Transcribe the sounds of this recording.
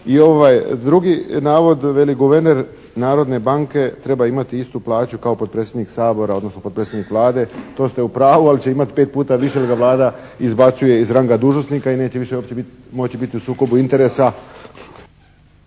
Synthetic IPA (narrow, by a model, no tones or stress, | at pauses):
io̞ʋajd̪ɾuɡinaːʋo̞d̪ʋe̞liɡuʋeɾne̞ɾ | naːɾo̞d̪ne̞baŋke̞t̪ɾe̞baimat̪iist̪uplˠaːt͡ɕukaopot̪pɾe̞ːt̪sʲjed̪niksaːbo̞ɾao̞d̪no̞snopopɾet̪sjed̪nikʋlˠaːd̪e̞t̪o̞ːst̪eupɾaːʋualit͡ɕe̞imat̪i̥peːt̪̚puːt̪aʋiʃeliɡaʋlˠaːd̪a | izbat̪suje̞izɾaŋɡad̪uːʒno̞st̪nikaine̞ːt͡ɕeʋiʃeopt͡ɕebit̪ | mot͡ɕibit̪iusuːko̞buint̪e̞ɾeːsa